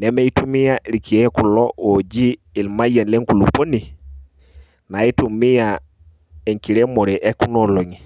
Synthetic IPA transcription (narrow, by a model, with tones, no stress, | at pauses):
nɛ˨˦me˦i˦tu˦mi˦ja˦ɾi˨kʰi˨e˦ku˨lɔ˦wo˨d͡ʒiː˦˨ | lma˦ja˨nle˦ŋku˨lu˨po˦ni˨ | na˨i˦tu˨mi˦ja˨ | e˨ŋki˨ɾe˦mo˨ɾɛ˨ʔe˦ku˦nɔ˨lo˨ŋi˨